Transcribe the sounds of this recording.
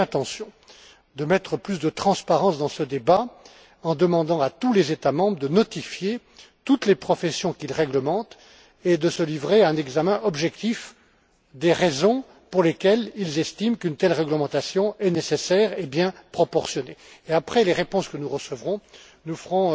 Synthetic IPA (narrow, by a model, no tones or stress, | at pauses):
ɛ̃t̪ɑ̃sjɔ̃ | d̪əmɛt̪χəplysd̪ət̪χɑ̃spaʁɑ̃sd̪ɑ̃səd̪eba | ɑ̃d̪əmɑ̃d̪ɑ̃at̪ulezet̪amɑ̃bʁəd̪ənɔt̪ifje | t̪ut̪lepχɔfɛsjɔ̃kʲilʁɛɡləmɑ̃t̪ | ed̪əsəlivʁeaɛ̃nɛɡzamɛ̃ʔɔbʒɛkt̪if | d̪eʁezɔ̃ | puʁlekʲɛlilzɛst̪imkynt̪ɛlʁɛɡləmɑ̃t̪asjɔ̃ɛnesesɛʁebjɛ̃pχɔpɔʁsjɔneːapχɛleʁepɔ̃skənuʁəsəvʁɔ̃ | nufəʁɔ̃